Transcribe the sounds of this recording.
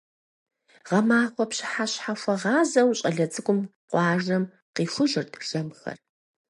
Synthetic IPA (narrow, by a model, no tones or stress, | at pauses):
ʁɐmaːχʷɔpɕɪ̥ħaɕħafʷɐʁɑːzɐwɕʼɐɮɐt͡sʼɨkʷʼʊmqʷɑːʒɐm | qiːfʷʊʒɪrtʰʒ̥ɐmxɐ̰r